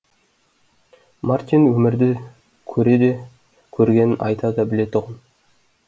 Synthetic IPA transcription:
mart̪ʲinwɵmɪɾd̪ɪ | kʲʰɵɾe̞d̪e̞ | kʲʰɵɾɡʲe̞nɪnʔɑ̰jt̪ʰɑd̪ɑbɪle̞t̪ʰʊʁɑn

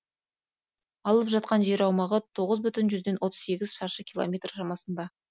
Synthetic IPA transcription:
ɑlˠəpʒɑt̪̚qɑnʒe̞ɾɑwmɑʁət̪ʰo̞ʁəzbʏt̪ɪnʒʏzd̪e̞nwo̞t̪əz̥se̞ɡʲɪzʃɑɾʃəkʲʰilˠo̰mʲe̞t̪rʃɑmɑsənd̪ɑ

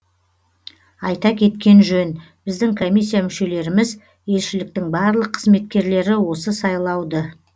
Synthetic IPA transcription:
ɑjt̪ɑkʲʰe̞t̪kʲe̞nʒɵn | b̥ɪzd̪ɪŋkʰo̞mʲijsːijamʏʃe̞le̞ɾɪmɪz | je̞lʃɪlɪk̚t̪ɪŋbɑɾlˠəqʰːəzme̞t̪̚kʲe̞ɾle̞ɾɪwo̞səsɑjlˠɑwd̪ə

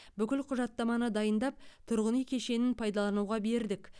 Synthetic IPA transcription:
bʏkʲɪlqʰʊʒɑt̪ːɑmɑnəd̪ɑjənd̪ɑp̚t̪ʰʊɾʁənijkʲʰe̞ʃe̞nɪnpʰɑjd̪ɑlˠɑnuwʁɑbe̞ɾd̪ɪk

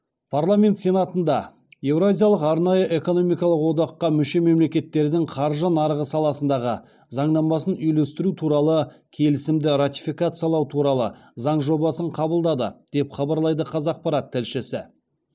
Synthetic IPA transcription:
pʰaɾrlˠamʲe̞nt̪se̞nat̪ənd̪ɑ | je̞vɾazʲijalˠəqɑɾnɑjəʔe̞ko̞no̞mijkɑlˠəqwo̞d̪ɑqːɑmʏʃe̞me̞mle̞kʲe̞t̪ːe̞ɾd̪ɪŋqʰɑɾʒənɑɾʁəsɑlˠɑsənd̪ɑʁə | zɑɴd̪ɑmɑsənʏjlest̪ɪɾut̪ʰuɾɑlˠəkʲʰe̞lɪsɪmd̪ɪɾat̪ʲifikat̪sɨjɑlˠɑwt̪ʰuɾɑlˠəzɑɴʒo̞bɑsəɴqʰɑbəlˠd̪ɑd̪ə̰d̪̥e̞pχɑbɑɾlˠɑjd̪əqʰɑzɑq̚pɑɾat̪ʰːɪlʃɪsɪ

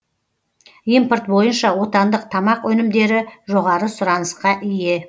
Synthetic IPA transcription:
import̪̚bo̞jənʃɑwo̞t̪ɑnd̪əq̚t̪ʰɑmɑqɵnɪmd̪e̞ɾɪʒo̞ʁɑɾəsʊɾɑnəsqɑʔɪje̞

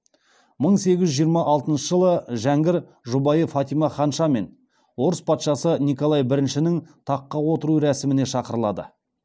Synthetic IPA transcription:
məɴse̞ɡʲɪʒʒijəɾmɑʔɑlˠt̪ənʃəʒəlˠəʒæŋɡʲɪɾ | ʒubɑjəfɑt̪ijmɑχɑnʃɑme̞n | wo̞ɾəspʰɑt̪ʃɑsənijkolˠɑjbɪɾɪnʃɪnɪŋt̪ʰɑqːɑwo̞t̪əɾuɾæsɪmɪne̞ʃɑqəɾəlˠɑ̰d̪ə̰

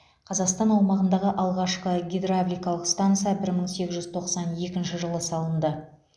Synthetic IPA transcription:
qʰɑzɑqst̪ɑnɑwmɑʁənd̪ɑʁəʔɑlˠʁɑʃqəɡʲed̪ɾablʲijkɑlˠəqst̪ant̪sɨjabɪɾməɴse̞ɡʲɪzʒʏzt̪ʰo̞qsɑnje̞kʲɪnʃɪʒəlˠəsɑlˠənd̪ə

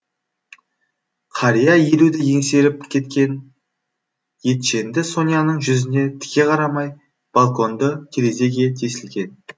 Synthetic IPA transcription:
qʰɑɾijaje̞lud̪ɪje̞ŋse̞ɾɪp̚kʲʰe̞t̪kʲe̞n | je̞t̪ʃe̞nd̪ɪso̞nijɑnəɴʒʏzɪne̞t̪ʰɪ̥kʲe̞qʰɑɾɑmɑj | b̥alˠko̞nd̪əkʲʰeɾeze̞ɡʲe̞t̪ʰe̞sɪlɡʲe̞n

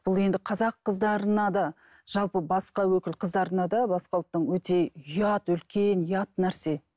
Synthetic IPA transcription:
b̥ʊlˠe̞nd̪ɪqʰɑzɑqːəzd̪ɑɾənɑd̪ɑ | ʒ̥ɑlˠpəbɑsqɑwɵkʲɪlqʰəzd̪ɑɾənɑd̪ɑbɑsqɑlˠət̚t̪ːəɴwɵt̪e̞ʏjɑt̪ʏlkʲe̞nʏjɑt̪næɾse̞

